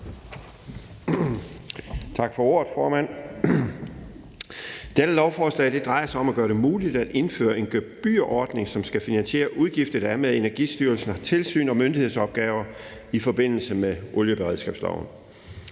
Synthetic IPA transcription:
t͡sʰɑ̈ɡ̥fɒ̽o̝ɐ̰ð̩ˠfɒːmæn̰ | d̥ed̥əlɒʊfɒːslɛ̰ɪd̥e̝d̥ʁɑ̈ɪɐsɑ̈ɪɒ̽mæɡ̥ɶːɐɾe̝muːlid̥æd̥e̝nfø̰ːɐe̝nɡ̥øb̥y̰ɐʔɒːd̥ne̝ŋsɒ̽msɡ̥æfinænɕe̝̰ːɐʔuð̞ˠɡ̥ifd̥ð̩ˠdæɐmeðˠe̝næɐɡ̥ḭːsd̥yːɐlsn̩hɑt͡sʰe̝lsy̰ːnɒ̽mønd̥ihe̝ð̞̰ˠsɒ̽b̥̚ɡ̥ɛːʊɐ | ifɒ̽b̥e̝n̰l̩səmeʔɔljəb̥eʁɛðˠsɡ̥ɛ̰ːb̥slɑ̰ʊn̩

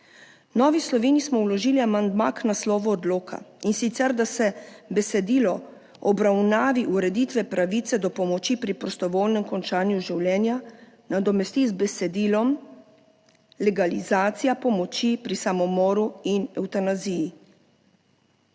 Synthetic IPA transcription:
nɔːʋislɔʋeːnismɔwlɔʒiːliamand̪maknaslɔːʋɔːd̪loːkʰa̰insit̪sɛɾd̪asɛbɛsɛd̪iːlɔ | ɔbɾawnaːʋiʔuɾɛd̪it̪ʋɛpɾaʋit̪sɛd̪ɔpɔmɔt͡ʃipɾipɾɔst̪ɔʋoːlnɛmkɔnt͡ʃaːnjuʒiwlɛːnja | nad̪ɔmɛst̪izbɛsɛd̪iːlɔm | lɛɡalizaːt̪sijapɔmɔt͡ʃipɾisamɔmɔːɾuinɛwt̪anaziji

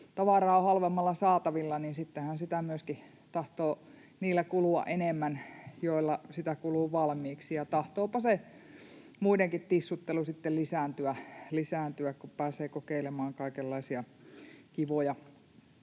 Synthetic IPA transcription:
t̪ɑʋɑrɑːohɑlʋemːɑlːɑsɑːt̪ɑʋilːɑniːnsit̪ːehænsit̪æmyøski | t̪ɑht̪oː | niːlːækuluɑ̰ʔenemːænjoˑilːɑsit̪ækuluːʋɑlmiːksijɑt̪ɑht̪oːpɑse | muideŋkit̪t̪isːut̪ːelusit̪ːellisæːnt̪yælisæːnt̪yækkuppæːseːkokeilemɑːŋkɑikelːɑisiɑ | kiʋojɑ

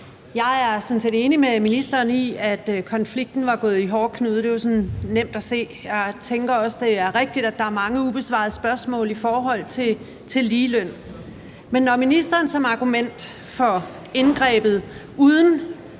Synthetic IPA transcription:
jɑ̈ɪæɐsɔnse̝d̥e̝ːnimeminisd̥ɐːniæd̥kʰɒ̽nfliɡ̥̚d̥n̩ʋɑ̈ɡ̥ɔ̽ːð̩ˠiɦɒːkʰnuːðˠd̥e̝josɔ̽nnem̰d̥æse̝̰ː | jɑ̈ɪt͡sʰeŋɡ̥ɐɒ̽sd̥e̝æɐʁeɡ̥̚d̥id̥æd̥ɑ̈æɐmɑ̈ŋəub̥e̝sʋɑ̰̈ðˠəsb̥ɶɐsmɔ̰̽ːlifɒːɦɒ̽l̰t͡sʰe̝ | t͡sʰe̝lːiːløn̰ | menːɒminisd̥ɐːnsɒ̽mɑ̈ɡ̥umen̰d̥ | fɒ̽ | e̝nɡ̥ʁɛ̰ːb̥ð̞̩ˠ | uð̞ˠn̩

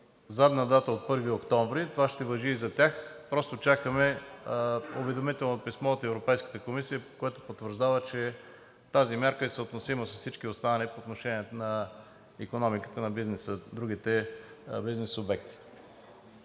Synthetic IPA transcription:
zad̪nɐd̪at̪əot̪̚pɤɾviokt̪ɔ̃ɱvɾit̪ovaʃt̪ɛvɐʒiːzɐt̪ʲjaxpɾɔst̪ot͡ʃakəmɛ | ovɛd̪omit̪ɛlˠnopismɔt̪ɛvɾopɛjskə̥t̪əkomisijəkoɛt̪opot̪vəɾʒd̪avət͡ʃɛ | t̪azimʲjaɾkəisəot̪nosiməsɐssit͡ʃkiost̪anɐnipoːt̪noʃɛniɛnɐ | ikonɔmikə̥t̪ənɐbiznɛsəd̪ɾuɡ̟it̪ɛ | biznɛsobɛkt̪i̥

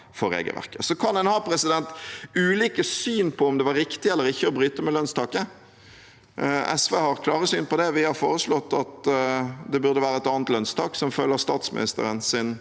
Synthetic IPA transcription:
fɔɾḛːɡə̰lʋæ̰ʁkəsɔkʰɑnd̪ɛnhɑːpʰɾɛsɪd̪ɛnt̪ʉːliːkəsyːnpʰɔɔmd̪ɛʋɑɾɪkt̪ɪɛlːəɾɪçːəɔbɾyːt̪əmɛlœnst̪ʰɑːkə | ɛsʋeːhɑɾkʰlɑːʁəsyːnpɔd̪ɛʋɪhɑʁfoːɾəslɔt̪ːɑt̪ | d̪ɛbʉʁd̪əʋæːɾəɛt̪ɑːnət̪lœnst̪ʰɑːksɔmfœlːəʁst̪ɑːt̪smɪ̰nɪst̪ə̰ɾənsɪn

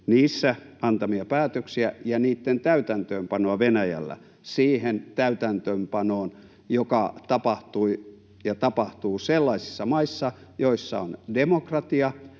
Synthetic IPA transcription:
niːsːæɑnt̪ɑmiɑpæːt̪øksiæjɑniːt̪ːent̪æyt̪ænt̪øːmpɑnoɑʋenæjæ̰lːæ̰ | siːhent̪æyt̪ænt̪øːmpɑnoːn | jokɑt̪ɑpɑht̪ui | jɑt̪ɑpɑht̪uːselːɑisi̥sːɑmɑisːɑjoisːɑ̰ondemokrɑt̪iɑ

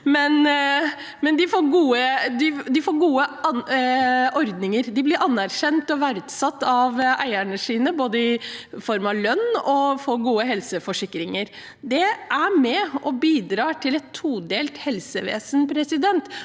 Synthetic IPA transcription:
mɛn | mɛnd̪ɪfoːɾɡuːəd̪ɪd̪ɪfoːɾɡuːə | ʔɔɾd̪nɪŋəɾd̪ɪblɪɾʔɑnːæɾɕɛnt̪ɔʋæɾʉt̪sɑt̪ːɑʋæ̰ɪæɳəʂiːnəboːd̪əɪfɔɾmɑʋlœnːɔfoːɾɡuːəɦɛlsəfɔʂɪkːɾɪŋəɾ | d̪ɛʔæɾmɛɔbiːd̪ɾɑːʈ̪ʰɪlɛt̪ʰːuːd̪eːlt̪hɛlsəʋḛːsənpʰɾɛsɪd̪ɛnt̪

